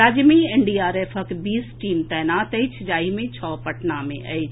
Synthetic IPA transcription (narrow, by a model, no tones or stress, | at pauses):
aːd͡ʒmĩeɳɖiːaːɾeːfɐkbiːsʈiːmt̪ɛːnaːt̪əit͡ʃʰd͡ʒaːimẽt͡ʃʰɔːpɐʈnamẽʔɐ̰it͡ʃʰ